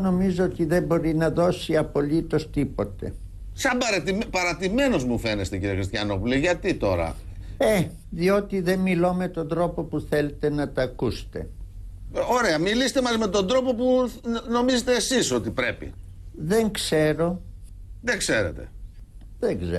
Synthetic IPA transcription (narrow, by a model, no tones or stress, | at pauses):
no̞mizoot̪iðe̞mbo̞ɾinɐðosiɐpo̞lit̪o̞st̪ipo̞t̪e̞̰ | sɐbɐɾɐt̪impɐɾɐt̪ime̞no̞zmufenest̪eciɾiexɾist̪çɐ̰no̞puliʝɐt̪it̪o̞̰ɾɐ̰e | ðio̞t̪iðe̞nmilo̞me̞t̪o̞nd̪ɾo̞po̞puθe̞le̞t̪e̞nɐt̪ɐkust̪e̞̰ | oɾeɐmilisit̪emɐzme̞t̪o̞nd̪ɾo̞po̞puno̞mizet̪eːsisot̪ipɾepḭ | ðe̞ŋkse̞ɾo̞ | ðeɡseɾḛt̪e̞̰ | ðeŋɡze